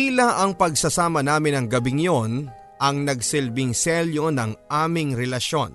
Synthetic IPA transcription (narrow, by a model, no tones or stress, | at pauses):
ilaʔɐŋpɐɡ̚sɐsaːmɐnaːmɪnɐŋɡɐbɪŋjon | ʔɐŋnɐɡsɪlbɪŋsɛljonɐŋʔaːmɪŋɾɛlɐʃo̞̰n